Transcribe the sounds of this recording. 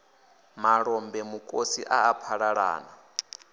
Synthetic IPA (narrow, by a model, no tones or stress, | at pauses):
maɺɔmbɛmukʼosiʔaːpʰaɺaɺa̰ːna